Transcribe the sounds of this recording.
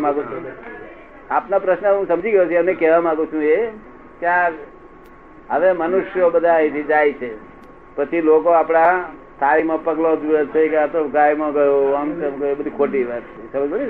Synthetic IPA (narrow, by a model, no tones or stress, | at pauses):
mãɡũt͡ʃʰũ | apnapɾəʃnəɦũsəmd͡ʒʱiɡəjõt͡ʃʰənekɛʋamãɡũt͡ʃʰũe | kjaɾ | ɦəʋemənuʃjobəd̪ʱait̪ʰid͡ʒajt͡ʃʰe | pət͡ʃʰilokoapɽ̃a | t̪ʰaʋimãpəɡlod͡ʒujet͡ʃʰekeat̪ɡajmãɡəjoamt̪emkəebəd̪ʱikʰoʈiʋat̪esəməd͡ʒbəi